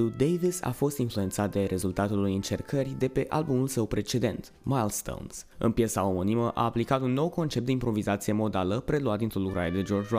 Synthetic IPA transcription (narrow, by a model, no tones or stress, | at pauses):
ud̪ejvisa̰fo̞st̪influe̞nt̪sat̪̚d̪e̞ɾʔe̞zult̪at̪ulujint͡ʃe̞rkʰərʲd̪e̞pe̞ʔalbumulsəwpɾe̞t͡ʃe̞d̪e̞nt̪ | majlst̪o̰wnsɨ̰npjesaomoniməʔa̰ːplikat̪unːo̞wko̞nt͡ʃep̚d̪eimpɾo̞vizat̪sije̞mo̞d̪aləpɾe̞luat̪d̪int̪ɾo̞lukɾaɾe̞d̪e̞d͡ʒo̞rd͡ʒa